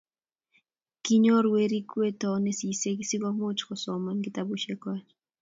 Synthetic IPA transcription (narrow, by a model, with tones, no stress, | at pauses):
ki˦ɲo˦ɾwe˦ɾi˦kwe˦tɔ˨ne˦si˨se˦kisi˦ka˦mo˦t͡ʃkɔ˨sɔ˨manɡitabuʃe˦kwa˦